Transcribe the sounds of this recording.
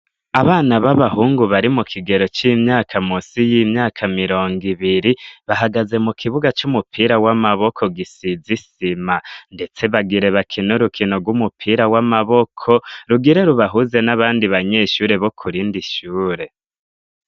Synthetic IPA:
aβaːnaβaβahuːŋɡuβaɾimukʰiɡe̞ɾo̞t͡ʃimɲaːkʰamusijimɲaːkʰamiɾo̞ːŋɡiβiɾiβaɦaɡaze̞mukʰiβuɡat͡ʃumupʰiɾawamaβo̞kʰo̞ɡisizisimande̞t͡se̞βaɡiɾe̞βakʰinuɾukʰinoɡwumupʰiːɾawamaβo̞kʰo̞ɾuɡiɾe̞ɾuβaɦuze̞naβaːndiβaɲe̞ːʃuːɾe̞βo̞kʰuɾiːndiʃuːɾe̞

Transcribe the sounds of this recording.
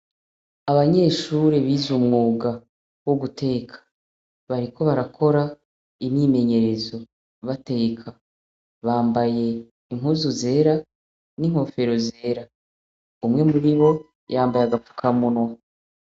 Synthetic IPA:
aβaɲe̞ːʃuɾeβiːzumŋuːɡa | wuɡutʰe̞ːkʰḁ | βaɾiko̞βaɾakʰo̞ɾa | imɲiːme̞ɲe̞ɾe̞zo̞ | βate̞ːkʰa | βaːmbaje̞ | iŋ̥ɦuzuze̞ːɾa | niŋ̥ho̞fe̞ɾo̞ze̞ːɾa | umŋe̞muɾiβo̞ | jaːmbajaɡafu̥kʰamunwa

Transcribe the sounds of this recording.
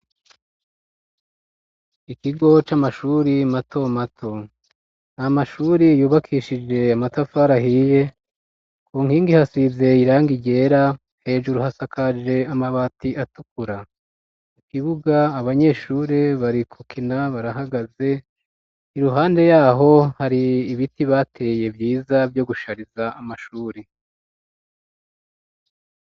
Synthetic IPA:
ikiɡo̞t͡ʃamaʃuːɾimatʰo̞matʰo̞ | namaʃuːɾijuːβakʰiːʃid͡ʒe̞amatafaːɾahiːje̞ | kuːŋhiːŋɡihasize̞iɾaːŋɡiɟe̞ːɾa | he̞ːʒuɾuhasakʰad͡ʒe̞amaβatiʔatukuɾa | ukiβuɡaːβaɲe̞ʃuːɾe̞βaɾikʰukinaβaɾaɦaɡaze̞ | iɾuɦaːnde̞jaːɦo̞haɾiːβitiβatʰe̞ːje̞vjiːzavjo̞ɡuʃaɾizaamaʃuːɾe

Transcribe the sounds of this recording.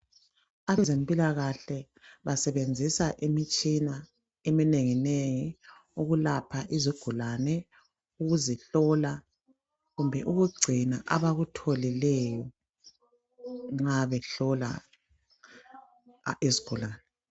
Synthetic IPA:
aβɛzempʼilaɣaɬɛ | βasɛβend͡zʱisaʔimit͡ʃʼina | emineŋineŋi | uɣulapʰaʔiziɡ̥ʱulanɛ | uɣuziɬɔla | ɣumbʱɛʔuɣuɡ͡ǀʱinaʔaβaɣutʰolilɛjɔ | ŋ͡ǁaβɛɬɔla̰ | eziɡ̥ʱulaːnɛ

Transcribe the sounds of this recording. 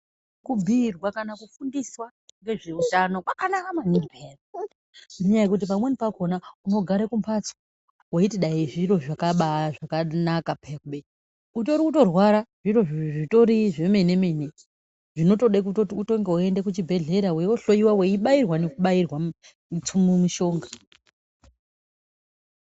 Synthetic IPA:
kubʱirwakanakufundiswa | ŋɡe̞ʐeutano̞kwakanakamaniɡipʰere | meɲajekut̬ipamwenipakonauno̞ɡʱaɾekumpʰat͡sa | weitiɗaiʐiro̞ʐakaɓaʐakanakapeakuɓe | ut̬oɾikuto̞rwaɾaʐ̥iro̞ito̞ɾiʐe̞menemene | ʐino̞to̞ɗekutouto̞ŋɡeoendekut͡ʃibʱe̞ɮe̞ɾawewoɬo̞iwaweiɓairwanekuɓairwa | t͡sumumiʃo̞ːŋɡa

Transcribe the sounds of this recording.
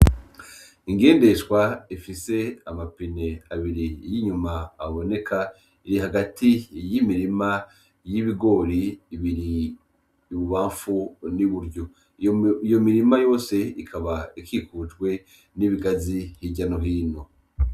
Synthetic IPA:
iŋɡe̞ːnde̞ʃwaifise̞amapine̞aβiɾijiɲumaːβo̞ne̞kʰa | iɾiɦaɡatʰijimiɾima | jiβiɡo̞ːɾiːβiɾiː | βuβaːɱfuniβuɾɟo | ijo̞miɾimajo̞ːse̞ikʰaβaikʰikutɡwe̞ | niβiɡazihiɟano̞ɦiːno̞

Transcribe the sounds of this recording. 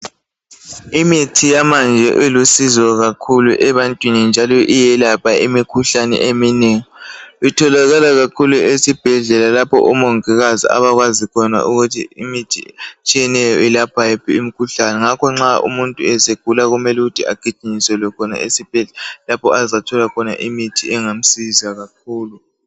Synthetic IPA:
imitʰijamand͡ʒʱɛʔelusizɔɣakʰuluʔɛβantʼwinind͡ʒʱalɔʔijɛlapʰaimikʰuɬanɛ̰ʔemineːŋɔitʰɔlaɣalaɣakʰuluesib̥ʱɛɮɛlalapʰɔ̰ʔumoŋɛɣazḭʔa̰βaɣwazikʰɔna̰ʔuɣutʰḭimitʰḭt͡ʃʼijɛnɛjɔilapʰajɛpʰiimikʰuɬanɛŋakʰɔŋ͡ǁaʔṵmuntʼuɛseɡ̥ʱulaɣumɛluɣutʰia̰ɡ̥ʱid̥ʒ̥ʱiɲisɛlɔkʰɔna̰esib̥ʱɛɛlapʰɔʔazatʰɔlakʰɔna̰ʔimitʰiɛŋam̩sizaɣak̚ʰuːlu

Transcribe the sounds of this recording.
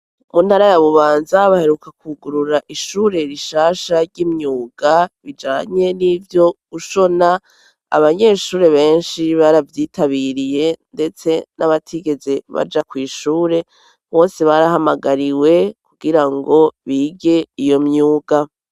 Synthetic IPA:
munhaɾajaβuβaːnzaβahe̞ɾukakuɡuɾuɾaʔiʃuːɾe̞ɾiʃaːʃaɾɟimɲuːɡ̥aβid͡ʒaːɲe̞nivjo̞ɡuʃo̞na | a̰βaɲe̞ʃuːɾe̞βe̞ːnʃiβaɾavjiːtʰaβiɾije̞nde̞t͡se̞naβatʰiɡe̞zeβa̰d͡ʒakwiːʃuːɾe̞ | βo̞ːseβaɾahamaɡaɾiwe̞kuɡ̥iɾaŋɡo̞βiːɡe̞ijo̞mɲuːɡa

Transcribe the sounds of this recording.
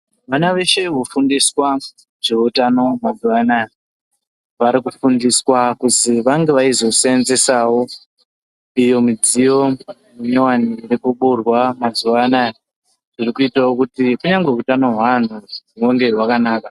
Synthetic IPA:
ʋanaʋe̞ʃe̞ʋofundiswa | ʐ̥eutano̞mad͡zuwana | ʋaɾikufundiswakuziʋaŋɡe̞ʋaizo̞seenze̞sawo̞ | ijo̞mid͡zijo̞ | muɲowanirekuɓurwamad͡zuʋana | ʐirikuitawokutikuɲaŋɡe̞utano̞ɦwan̤uweŋɡe̞ɦwakanaːka

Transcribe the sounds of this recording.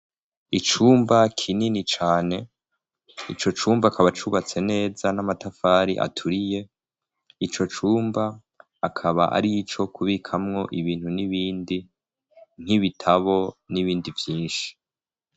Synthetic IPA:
it͡ʃuːmbakʰininit͡ʃaːne̞ | ḭt͡ʃo̞t͡ʃuːmbaːkʰaβat͡ʃuβat͡se̞ne̞ːzanamatafaːɾḭʔa̰tʰuɾije̞ | it͡ʃo̞t͡ʃuːmbaː | kʰaβa̰ʔa̰ɾit͡ʃo̞kʰuβikʰamŋo̞ʔiβiːn̥huniβiːndi | n̥iβitʰaβo̞niβiːndivjiːnʃi̥

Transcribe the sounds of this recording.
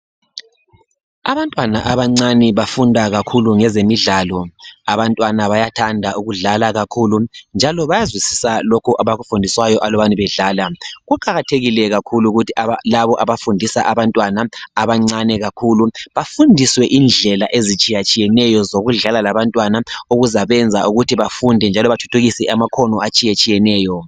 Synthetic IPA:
aβantʼwanaʔaβaŋ͡ǀanɛβafundʱaɣakʰuluŋɛzemiɮaːlɔaβantʼwanaβajatʰandʱaʔuɣuɮalaɣakʰulund͡ʒʱalɔβajazwisi̥salokʰuʔaβaɣufundʱiswajɔʔalɔβaniβɛɮaːlaɣukʰaɣatʰeɣilɛɣakʰuluɣutialaβɔʔaβafundʱisaʔaβantʼwanaaβaŋ͡ǀanɛɣakʰuːluβafundʱiswɛʔind͡ɮʱɛlaʔezit͡ʃʼijat͡ʃʼijɛnɛjɔzoɣuɮalalaβantʼwanauɣuzaβɛnd͡zʱaʔuɣutʰiβafundʱɛnd͡ʒʱalɔβatʰu̥tʰuɣisɛʔamakʰɔnɔat͡ʃʼijat͡ʃʼijɛnɛːjɔ

